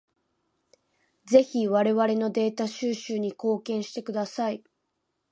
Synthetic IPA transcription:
ze̞çiβaɾe̞βaɾe̞no̞d̪e̞ːt̪aɕɨːɕɨːɲ̟iko̞ːkẽ̞ɰ̃ɕi̥t̪e̞kɯ̟d̪asai

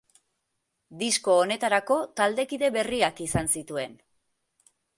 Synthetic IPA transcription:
d̪isko̞ːne̞t̪aɾako̞t̪ald̪e̞kiðe̞βe̞riakisansit̪ue̞n

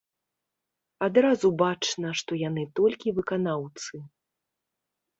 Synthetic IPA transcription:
ad̪ɾazubat͡ʂnɐʂt̪ɔjanɨt̪ɔlʲkʲivɨkanawt̪sɨ

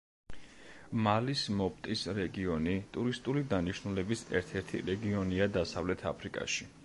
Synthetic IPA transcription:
malismɔpʰt̪ʼisɾɛɡiɔnit̪ʼuɾist̪ʼulid̪aniʃnulɛbisɛ̰ɾt̪ʰɛɾt̪ʰḭɾɛɡiɔniad̪asavlɛt̪ʰa̰pʰɾikʼa̰ʃi

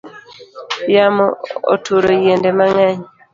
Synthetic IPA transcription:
jamɔo̰tʰuɾɔjendɛmaŋaɲi

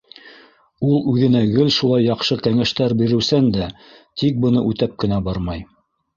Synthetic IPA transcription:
ulˠʉðɘ̆næɡɘlʃulˠɑjːɑqʃɤkæŋæʃt̪æɾbiɾɘ̆wsænd̪æ | t̪ik̚bɤ̆nɤʔʉt̪æp̚kɘ̆næbɑɾmɑj

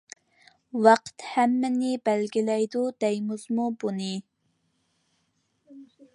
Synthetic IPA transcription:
wɑqt̪hæmːɪnɪbælɡʲilɛjd̪ud̪̥ɛjmuzmubunɨ

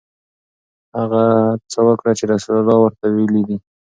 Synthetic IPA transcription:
haɣat͡səwəkɽat͡ʃeɾasaɾalɑwəɾt̪awelid̪i

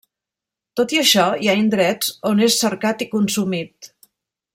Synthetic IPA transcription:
t̪ot̪iəʃɔiaind̪ɾɛt͡sonesːəɾkat̪ikunsumit̪̚

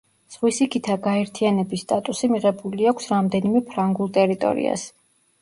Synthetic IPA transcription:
z̥ʁwisikʰit̪ʰaɡaɛɾt̪ʰianɛbisːt̪ʼat̪ʼusimiʁɛbuliakʷʰsɾamd̪ɛnimɛpʰɾaŋɡulˠt̪ʼɛɾit̪ʼɔ̰ɾḭa̰s

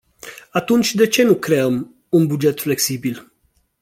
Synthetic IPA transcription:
at̪unt͡ʃʲd̪e̞t͡ʃe̞nukɾe̞əm | unbud͡ʒe̞t̪fle̞ksibil

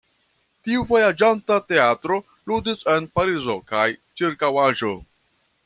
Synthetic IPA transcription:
tiuvo̞jad͡ʒantate̞atɾo̞ | ludise̞npaɾizo̞kajt͡ʃiɾkawaʒo̞

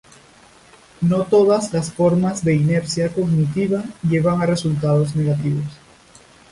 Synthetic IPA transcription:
no̞t̪o̞ðazlasfo̞ɾmazðe̞ine̞ɾsjako̞ɣnit̪iβaʎe̞βaŋare̞sult̪að̞o̞zne̞ɣat̪iβo̞s

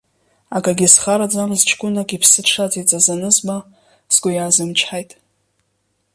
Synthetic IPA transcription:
akʼaɡʲisχaɾad͡zamzt͡ʃʰkʷʼʊnakʲʼipʰsɨʂait͡sʼazanɨzba | z̥ɡʷʊjazɨmt͡ʃʰħajtʼ

